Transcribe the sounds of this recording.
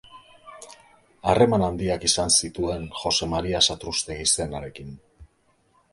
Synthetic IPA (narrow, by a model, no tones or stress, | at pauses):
are̞manand̪iakisansit̪ue̞nxo̞se̞maɾiasat̪ɾust̪e̞ɣise̞naɾe̞kin